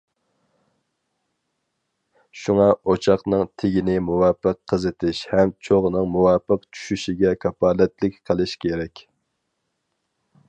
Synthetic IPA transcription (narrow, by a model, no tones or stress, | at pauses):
ʃuŋɑot͡ʃʰɑχnɨŋt̪ʰɪɡʲinɪmuwɑːpəqʰːəzɨt̪ʰɪʃhɛmt͡ʃʰoʁnɨŋmuwɑːpəqt͡ʃʰy̥ʃyʃiɡʲɛkʰɑpɑːlɛt̪lɪkʲqʰəlˠɨʃkʲʰeɾɛkʲ